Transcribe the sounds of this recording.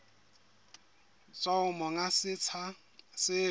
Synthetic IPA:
t͡sʼaʊmɔŋasɪt͡sʰa | sɪ

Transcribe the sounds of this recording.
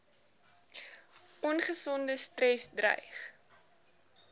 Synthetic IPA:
ʔɔnχəsɔndəstrɛsdrɛ̰jχ

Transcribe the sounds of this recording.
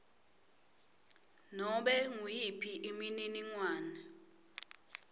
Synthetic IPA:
nɔɓɛŋujipʰiʔimininiŋwaːnɛ

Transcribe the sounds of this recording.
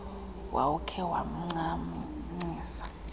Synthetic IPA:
wʔa̰ukʰɛwa̰m̩ŋ͡ǀamiŋ͡ǀiːsḁ

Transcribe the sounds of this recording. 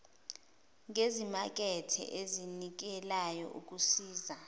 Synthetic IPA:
ŋezimak̬ɛtʰɛ̰ʔezinik̬ɛlajɔ̰ʔuk̬ʼusiːza

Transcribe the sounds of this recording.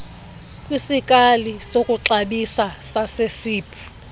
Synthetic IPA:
kʼwisikʼalisokʼuǁaɓisasasesiːpʰʼi̥

